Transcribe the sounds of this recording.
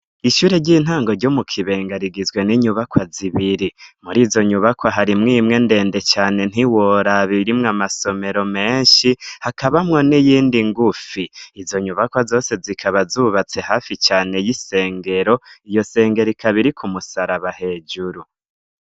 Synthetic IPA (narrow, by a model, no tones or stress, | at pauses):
iʃuːɾeɟiːn̥haːŋɡo̞ɾɟomukʰiβeːŋɡaɾiɡizɡwe̞niɲuβakwaziβiɾimuɾiːzo̞ɲuβakwaɦaɾimŋimŋe̞nde̞ːnde̞t͡ʃaːne̞n̥iwo̞ɾaβiɾimŋamaso̞me̞ɾo̞me̞ːɲʃihakaβamŋo̞nijiːndiŋɡufiːzo̞ɲuβakwazo̞ːse̞zikʰaβazuːβat͡se̞haːfit͡ʃaːne̞jise̞ːŋɡe̞ɾo̞ijo̞se̞ːŋɡe̞ɾikʰaβiɾikʰumusaɾaβahe̞d͡ʒuɾu